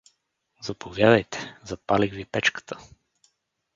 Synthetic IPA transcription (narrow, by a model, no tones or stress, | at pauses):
zɐpʰovjad̪əjt̪ɛ̥zɐpalixvipɛt͡ʃkə̥t̪ʰə̥